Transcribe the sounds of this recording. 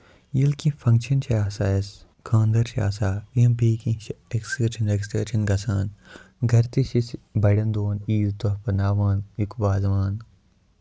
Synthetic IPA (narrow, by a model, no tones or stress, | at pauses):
jilkĩfʰɐ̃ŋkt͡ʃʰɐnt͡ʃʰɐaːsaːes | kʰãːnd̪ɐɾt͡ʃʰa̰ːsaːiɐmbiːkĩt͡ʃʰeɡset͡ʃʰɐnɾeɡisʈɾeːt͡ʃʰɐnɡɐsaːnɡʱɐɾt̪iʃisbɐɽɐnd̪oːniːt̪ɐpɐnaːʋaːnikbaːzʋaːn